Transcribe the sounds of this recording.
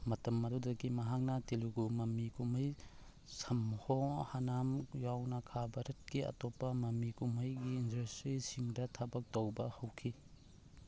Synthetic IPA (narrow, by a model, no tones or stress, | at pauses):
mɐtɐmːɐdudɐɡimɐɦak̚nɐtiluɡumɐmikumɐj | sɐmhohanamjawnɐkʰabɐɾɐt̚kiɐ̰topːɐmɐmikumɐjɡiːndɐstɾisiŋdɐtʰabɐk̚tɐwbɐhɐwkʰi